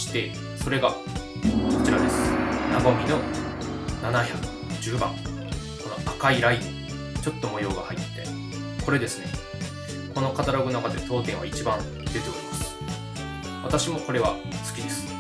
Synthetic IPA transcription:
ɕi̥t̪e̞ | so̞ɾe̞ɡa | ko̞t͡ɕiɾad̪e̞sɨ̥naɡo̞mʲino̞ | nanaçakɯ̟̥ | d͡ʑɨːbã̰ŋ | ko̞no̞akaiɾai | t͡ɕo̞t̪ːo̞mo̞jo̞ːɡahait̪ːe̥t̪ːe̞̰ | kʰo̞ɾe̞d̪e̞sɨne̞ | ko̞no̞kat̪aɾo̞ɡɯ̟nakad̪e̞t̪o̞ːt̪ẽɰ̃βa̰it͡ɕibãn | d̪et̪okoimasɨ̥ɨ̥ | βa̰t̪aɕimo̞ko̞ɾe̞β̞a | t͡sɨ̥kʲid̪e̞sɨ̥

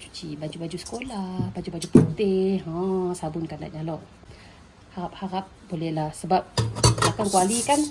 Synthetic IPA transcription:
t͡ʃu̥t͡ʃibad͡ʒubad͡ʒusə̥kolahbad͡ʒubad͡ʒuput̪ɪhɔ̃sabʊnkanda̰ʔɲalɔʔ | haɾap̚haɾap̚bolɛhlahsəbap̚dakankualikan

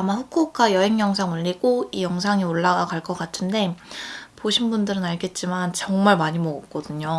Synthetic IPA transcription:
amaɸukʰok͈ajʌɦe̞ŋjʌŋs̬ʰaŋɯʎːiɡ̥oijʌŋsʰaŋioɭːaɡakaɭk͈ʌk͈atʰɯnde̞poɕʰinbundɯɾɯnaɭɡe̞t̚t͡ɕ͈imant͡ɕʌŋmaɭmaɲimʌɡʌk̚k͈ʌdɯɲo

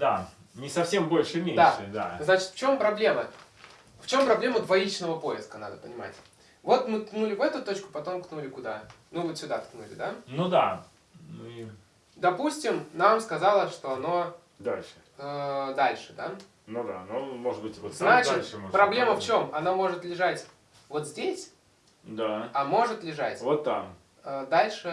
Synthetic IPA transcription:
d̪a | nʲɪsɐfsʲe̞mbo̞lʲʂɨmʲed̪aaʂɨd̪aznat͡ɕɪ̥t̪ft͡ɕo̞mpɾɐblʲe̞mə | ft͡ɕo̞mpɾɐblʲeməd̪vɐit͡ɕnəvəpo̞ɪskəna̰d̪əpənʲɪma̰tʲ | vo̞t̪mɨt̪nulʲɪvɛt̪ʊt̪o̞t͡ɕkʊ̥pɐt̪o̞mknulʲɪkʊd̪anuvɨt̪sʲʊd̪at̪knulʲɪ̰d̪anud̪a | nui | d̪ɐpusʲtʲɪmnamskɐzalˠəʂt̪o̞ɐno̞ | d̪alʲʂɨ̥ | əd̪alʲʂɨd̪a | nud̪a̰numoʐɨd̪̚bɨtʲvot̪znat͡ɕɪt̪ʲʂɨmopɾɐblʲe̞məft͡ɕo̞mɐnamo̞ʐɨt̪lʲɪʐatʲ | vo̞t̪zʲdʲesʲ | d̪aɐmo̞ʐɨt̪lʲɪʐatʲvot̪ːa̰m | əd̪alʲʂɨ

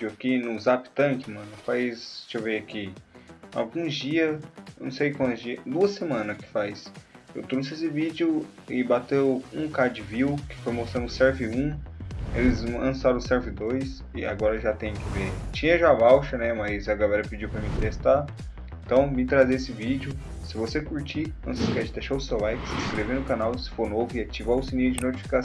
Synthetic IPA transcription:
pd͡ʒiwɐkinʊzapt̪ɐ̃kɪmɐ̃nʊfajst͡ʃiveaki | a̰wɡũzd͡ʒiɐnɐ̰̃w̃sejkwɐ̃nt̪ɐzd͡ʒiɐd̪uɐsemɐ̃nɐskɪ̥fajsewt̪ɾos̬ɪesɪvid͡ʒɪʊɪbat̪ewũkad͡ʒɪviwkɪ̥fojmost̪ɾɐ̃nd̪ʊsɛɾvɪũelɪzlɐ̃saɾɐ̃sɛɾvɪd̪ojs | ɪa̰ɡɔɾɐʒat̪ẽj̃kɪvet͡ʃĩɲɐʒabawʃɐnɛmɐjzɐɡalɛɾɐpɪd͡ʒiwpɾɐmĩt̪est̪a | ẽt̪ɐ̃w̃mĩt̪ɾazeesɪvid͡ʒɪʊ | sɪvosekuɾt͡ʃiɐ̰̃t͡ʃɪskɛd͡ʒɪd̪eʃaʊsewlajkɪ̥sɪskɾevenʊkãnawsɪ̥foɾnovʊɪat͡ʃivawʊsinid͡ʒɪnot͡ʃi̥fi̥kã

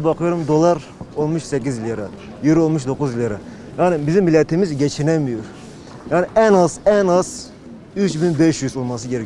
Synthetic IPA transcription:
bɑqʰɯjoɾumd̪olˠɑɾ | onmuʃsɛk̬ʲizilʲjeɾɑ | jiɾolˠmuʃ̬d̪okʰuzilʲjaɾɑ | jaːnɪbizimːilʲet̪ʰimizɟɛt͡ʃʰinɛmijoɾ | jaːnɪʔɛnɑzɛnɑz̥ | yt͡ʃbinbɛʃjyzolˠmɑsɯɟʲeɾɛ

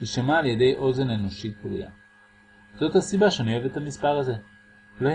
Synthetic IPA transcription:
iʃamaːlje̞de̞jʔo̞ze̞neno̞ʃit̪̚blṵja̰ | zo̞t̪hasibaʃeonioeve̞thamispaʁaze̞ | lo

